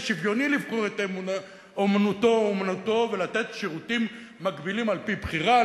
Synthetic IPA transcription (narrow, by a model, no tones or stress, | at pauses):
ʃivjo̞nilivχoʁet̪emuna | omanut̪o̞omanuto̞ve̞lat̪e̞t̪ʃiʁutimː | akbilimalpibχiʁa